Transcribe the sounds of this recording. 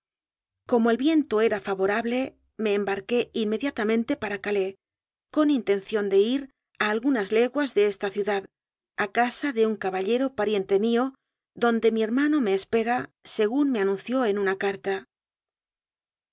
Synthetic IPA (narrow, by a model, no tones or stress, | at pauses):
ko̞moe̞lβje̞nt̪o̞e̞ɾafaβo̞ɾaβle̞ | me̞ːmbaɾke̞imːe̞ðjat̪amẽnt̪e̞paɾakale̞ | ko̞nint̪e̞n̟θjo̞nd̪e̞iɾ | aːlɣunazle̞ɣwazðe̞est̪aθjuðað | akasaðe̞uŋkaβaʎe̞ɾo̞paɾje̞nt̪e̞mio̞ | ðo̞nd̪e̞mie̞ɾmano̞me̞ːspe̞ɾase̞ɣunme̞anũn̟θjo̞e̞nunakaɾt̪a